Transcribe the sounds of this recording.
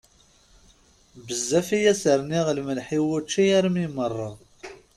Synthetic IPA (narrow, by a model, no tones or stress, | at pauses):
bəzːæfijæsəɾniʁlməlħiwʊt͡ʃːijæɾmimərˤːɑ